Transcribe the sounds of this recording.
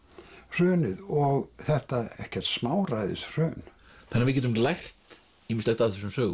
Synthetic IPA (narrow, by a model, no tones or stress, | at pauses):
r̥œːnɪðɔɣθɛht̪aɛ̰hcɛr̥t̪smaːwɾajðɪ̰sr̥œːn | θɛnːaɾvɪðcɛːt̪̬ʏmlajr̥t̪ | iːmɪnslɛxt̪avðθɛs̬ːʏmsœːɣ